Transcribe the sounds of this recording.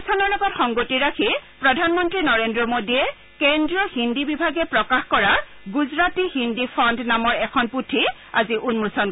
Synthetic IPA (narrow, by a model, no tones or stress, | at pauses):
sʰɔnɔɹlɔɡɔtxɔŋɡotiɹakʰipɹɔdʱanmɔntɹinɔɹendɹɔmodiɛ | kɛndɹɔhindibibʱaɡɛpɹɔkaxkɔɹa | ɡuzɹatihindipʰɔndnamɔɹɛkʰɔnputʰi | aziʔunmusɔn